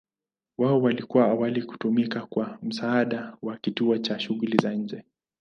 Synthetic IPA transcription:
waɔwalikuwaawaliku̥tumikakwam̩saːɗawakituɔt͡ʃaʃuɣulizaɲ̩d͡ʒɛ

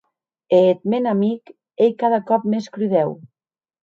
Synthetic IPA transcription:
et̪̚menamik | ejkaðakɔp̚meskɾyðɛw

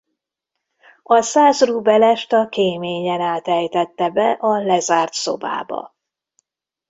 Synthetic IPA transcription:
ɒsaːsrubɛlɛʃt̪ɒkeːmeːɲɛnaːt̪ɛjt̪ɛt̪ːɛbɛʔɒlɛzaːrt̪so̰ba̰ːbɒ̰

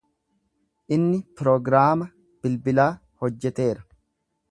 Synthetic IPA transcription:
ʔɪnːɪpɾɔɡɾaːmɐ | b̥ɪlbɪlaː | hɔd͡ʒːɛt̪e̞ːɾɐ̥

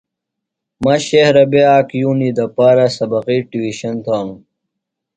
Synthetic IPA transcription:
mɐɕehɾɐbeaːkjuːnid̪ɐpaːɾɐsɐbɐqiʈiwiɕɐnt̪ʰaːŋ

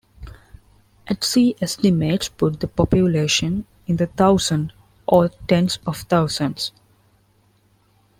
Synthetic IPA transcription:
ʔæʈsiːʔɛsʈɪmeːʈspʊʈ̚d̪əpɔpjʊleːʃə̃n | ɪ̃nd̪ət̪ʰaʊzə̃ɳɖ | ʔɔːɾʈɛ̃nsɔʋt̪ʰaʊzə̃nɖs

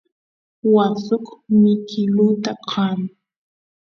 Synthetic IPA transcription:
wasʊkmɪkʰɪlut̪aqʰaŋ

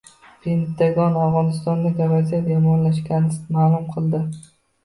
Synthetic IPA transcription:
pʰent̪ʰːaɡɒnavʁɒnɪst̪ɒnd̪akʲavazijat̪jɒmɒnlaʃkʲanɪsɪmaːlˠʊmqʰɨlˠd̪ɪ

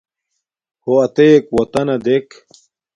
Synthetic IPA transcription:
hoɐt̪ekwɐt̪ɐnɐd̪ek

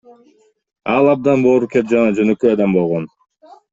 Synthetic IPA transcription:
ɑlˠɑb̚d̪ɑnboːɾukʲet̪d͡ʒɑnɑd͡ʒønøkøjɑd̪ɑmbo̞lˠʁo̞n

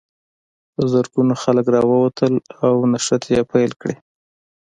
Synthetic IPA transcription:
əzaɾɡunoxaləkɾɑwəwat̪ʰəlawnaʃat̪ʰjepajlkɽe

